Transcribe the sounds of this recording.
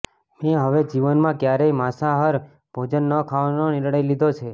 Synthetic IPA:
mẽɦəʋed͡ʒiʋənmãkjaɾejmasaɦəɾ | b̥ʱod͡ʒənːəkʰaʋanonɪɾɳəjlid̪ʱot͡ʃʰe

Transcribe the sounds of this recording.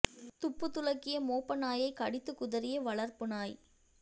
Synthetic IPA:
t̪ʊpːɯt̪ːʊlɐkːɪjɐmoːpːɐnaːjɐɪkɐɽɪt̪ːɯkʊðɐɾɪjɐʋɐɭɐɾpɯnaːj

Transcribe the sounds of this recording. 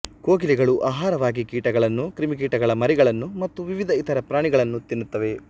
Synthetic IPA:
koːɡiliɡɐɭuʔaːɦaːɾɐʋaːɡikiːʈɐɡɐɭɐnːukɾimik̬iːʈɐɡɐɭɐmɐɾiɡɐɭɐnːumɐt̪ːuʋiʋid̪ʱɐit̪ʰɐɾɐpɾaːɳiɡɐɭɐnːut̪inːut̪ːɐʋe̞

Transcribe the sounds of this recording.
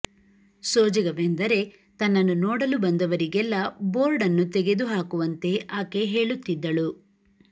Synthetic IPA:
soːd͡ʒɐɡɐʋend̪ɐɾe̞ | t̪ɐnːɐnːunɔːɽɐlubɐnd̪ɐʋɐɾiɡɛlːɐbo̞ːɾɖɐnːut̪ɛɡe̞d̪uɦaːkuʋɐnt̪e̞ʔaːke̞ɦe̞ːɭut̪ːid̪ːɐɭu

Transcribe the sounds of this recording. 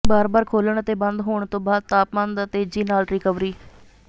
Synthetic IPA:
baːɾbaːɾkʰoːləɳət̪eːbə̃nd̪ɦoːɳ̃t̪õːbaːd̪̚t̪aːpmə̃ːnd̪ət̪eːd͡ʒiːnaːlɾɪkəʋɾiː

